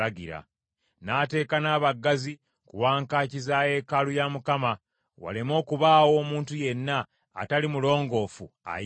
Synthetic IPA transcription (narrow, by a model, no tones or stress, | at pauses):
aɡiɾa̰ | naːte̞ːkanaːβaɡːazi | kuwaːŋkaːcizaːje̞kalujamukama | wa̰lemo̞ːkuβaːwo̞ːmuːntuje̞nːa̰ː | talimulo̞ːŋɡo̞ːfua̰